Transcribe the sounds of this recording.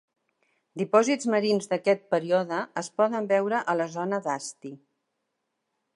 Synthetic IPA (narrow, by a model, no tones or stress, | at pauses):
d̪ipɔzid͡zməɾinzd̪əkɛt̪̚pəɾiɔðəːspɔðəmbɛwɾəʔələzɔnəðast̪i